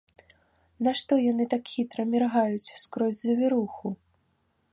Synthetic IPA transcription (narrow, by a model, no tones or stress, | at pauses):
naʂt̪ɔjanɨt̪akxʲit̪ɾɐmʲɛrɣajut͡sʲskɾɔzʲzɐvʲiɾuxu